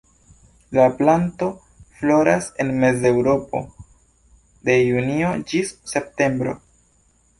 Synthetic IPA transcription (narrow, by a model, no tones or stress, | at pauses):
laplanto̞ | flo̞ɾase̞nme̞ze̞wɾo̞po̞̰ | de̞junio̞d͡ʒisːe̞p̚te̞mbɾo̞̰